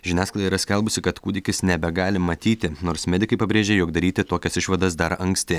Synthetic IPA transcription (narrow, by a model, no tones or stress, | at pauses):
ʒʲɪnʲæːsklˠɐiːɾɐsʲkʲɛlˠbʊsʲɪkɐt̪kuːd̪ʲɪkʲɪsnʲɛbʲɛɡɑːlʲɪmɐt̪ʲiːt̪ʲɪnoːɾsmʲæd̪ʲɪkɐɪpɐbʲɾʲeːʒʲejoːk̚d̪ɐɾʲiːt̪ʲɪt̪oːkʲɛsɪʃʋɐd̪ɐs̬d̪ɐɾɐŋksʲt̪ʲɪ